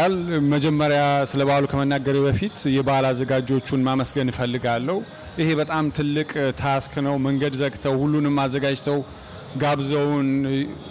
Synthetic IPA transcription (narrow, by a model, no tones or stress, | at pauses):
alməd͡ʒɛmːəɾjasɨləβaalukʰəmənːaɡəɾibəfit̪jɛbəlazːəɡad͡ʒo̞t͡ʃːunmaməsɡənɨfəlːɨɡalːəhu | ʔɨhe̞bət̪ʼamt̪ʰɨlːɨkʼt̪ʰasknəwməŋɡəd̪zəɡt̪ʰəwhulːunɨmːazːəɡad͡ʒt̪ʰəw | ɡaβzəwn